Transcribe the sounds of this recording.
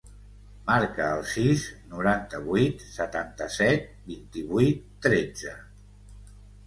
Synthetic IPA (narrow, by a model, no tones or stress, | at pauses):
maɾkəːlˠsiznuɾant̪əβijt̪sət̪ant̪əsɛt̪̚bint̪iβuit̪ːɾed͡zə